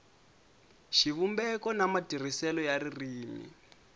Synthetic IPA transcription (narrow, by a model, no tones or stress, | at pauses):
ʃiβumbɛkɔnamatir̤isɛlɔjaɾiriːmḭ